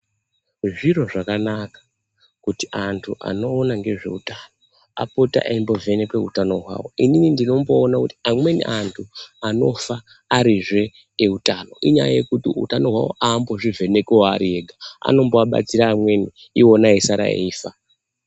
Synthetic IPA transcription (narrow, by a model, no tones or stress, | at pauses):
ʐiro̞ʐakanakḁ | kutiantʰuʔa̰no̞ːnaŋɡe̞ʐe̞̰utano | a̰pota̰ʔaimbo̞ve̞ne̞kwe̞utano̞ɦwa̰wo̞̰ininindino̞mbo̞ːnakuti̥amwe̞nḭʔantʰuano̞faː | ɾiʐe̞ː | utano̞ʔiɲa̰ja̰je̞kutiṵtano̞ɦwa̰wo̞̰ʔaːmbo̞ʐivʱe̞ne̞keoaɾie̞ɡʱaa̰no̞mboaɓa̰t͡siɾaːmwe̞ni | io̞naesaɾa̰ḛiːfa